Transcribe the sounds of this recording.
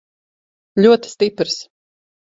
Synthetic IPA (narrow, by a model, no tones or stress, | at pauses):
lʲuɔt̪i̥st̪ipɾs